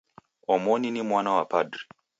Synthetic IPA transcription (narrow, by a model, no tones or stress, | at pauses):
ɔmɔninimwanawapadɾi